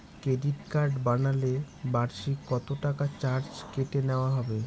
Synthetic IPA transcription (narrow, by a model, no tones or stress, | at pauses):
kɾeɖiʈkaɾɖbanale | baɾʃikɔt̪oʈakat͡ɕaɾd͡ʑkeʈeneoaɦɔbe